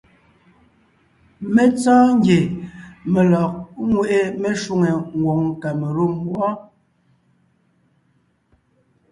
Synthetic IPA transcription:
me˦t͡sɔː˦ŋ˦ɡje˨me˨lɔ˨k̚ŋwe˦ʔe˦me˦˨ʃu˦˨ŋe˨ŋ̩˨ɡwo˨ŋka˨me˨ɾu˦˨mwɔ˦

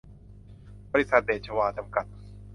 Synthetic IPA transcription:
bɔː˧ɾi˦˥sa˨˩t̪̚beː˨˩t̪̚t͡ɕʰə˧waː˧t͡ɕa˧mka˨˩t̪̚

